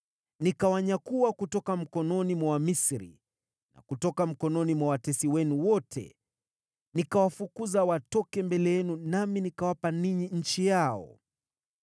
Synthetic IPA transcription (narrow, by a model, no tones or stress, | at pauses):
nikawaɲakuwakutɔkam̩kɔnɔnimwawamisɾḭ | na̰kutɔkam̩kɔnɔnimwawatɛsiwɛnuwɔtʰɛ̰ | nikawafukuzawatɔkɛmbɛlɛjɛnunaminikawapaniɲiɲ̩t͡ʃijaɔ̰